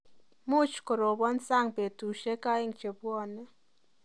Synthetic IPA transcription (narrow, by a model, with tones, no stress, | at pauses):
mʊ˦t͡ʃkɔ˨ɾo˨bɔ˦nsa˦˨ŋpe˨tu˨ʃe˦ka˦ɪ˦˨ŋt͡ʃe˨bwɔ˦˨nɛ˦